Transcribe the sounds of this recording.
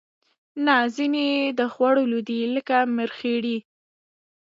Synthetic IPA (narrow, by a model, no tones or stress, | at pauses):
nazined̪əxwaɽolud̪iləkaməɾxeɽi